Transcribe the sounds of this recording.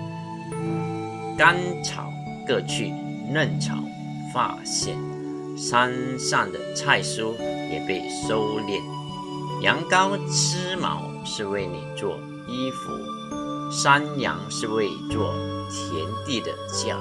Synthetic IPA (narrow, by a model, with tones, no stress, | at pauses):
ka˦nʈ͡ʂʰɑ̰˨˩˦ʊ | kɤ˥˧t͡ɕʰy̰˥˧ | nə˥˨nʈ͡ʂʰɑ̰˨˩˦ʊ | fa̰˥˧ɕjɛ̰˥˩n | ʂa˥nsa˥˩ŋd̪ə˩t͡sʰa˥˩ɪʂu˥jɛ˨˩pe˥˩ɪso˥ʊljɛ̰˥˩n | jɑ˧˥ŋkɑ˥ʊt͡s̩ʰ˥mɑ̰˧˥ʊ | ʂɻ̩˥˧we˥˩ɪnḭ˨˩t͡swɔ˥˩ | i˥fṵ˧˥˦ | ʂa˥njɑ̰˧˥ŋʂɻ̩˥˧we˥˧ɪt͡swɔ˥˩t̪ʰjɛ˧˦˥nt̪i˥˩d̪ə̰˩t͡ɕja̰˥˩